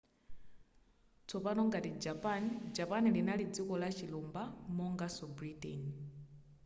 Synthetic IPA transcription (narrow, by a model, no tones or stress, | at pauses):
t͡sɔpanɔŋɡatid͡ʒapand͡ʒapanilinalid͡zikɔlat͡ʃʰilumbamɔŋɡasɔbɾitɛ̰n